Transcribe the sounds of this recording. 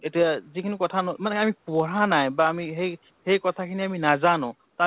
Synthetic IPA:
etijazikʰinikɔtʰanɔmanɛamipuɔɹanajbaːmiɦej | hejkɔtʰakʰiniaminazanʊ̃ | ta

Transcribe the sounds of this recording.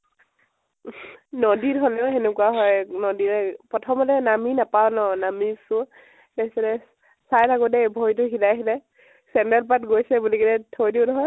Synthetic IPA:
nɔdiɹɦɔlɛʊɦɛnɛkuaɦɔjnɔdiɹɛpɹɔtʰɔmɔtɛnaminapawnɔnamisʊ | tɛsɛlɛ | sajtʰakʊdɛbʱɔjtʊxilajkilɛ | sɛndalp̬atɡojsɛbulikidɛtʰojdiʊnɔɦɔj

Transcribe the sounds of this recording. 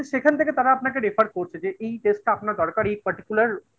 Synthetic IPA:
ʃekʰant̪ʰeket̪aɾaapnakeɾifʰaɾkoɾt͡ɕʰed͡ʑeʔejʈesʈ̚ʈapnaɾd̪ɔɾkaɾejpɐɾʈi̥kulaɾ

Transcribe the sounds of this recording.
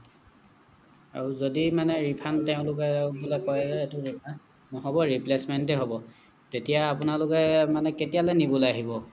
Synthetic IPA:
a̰ɹuzodimanɛɹipʰanteʊ̃lʊkɛbolɔkɔjɛzɛetʊɹipʰa | nɔɦɔbɔɹiplesmɛntɛɦobɔ | tetijaːpʊnalʊkɛmanɛketijalɛniboljaɦibɔ

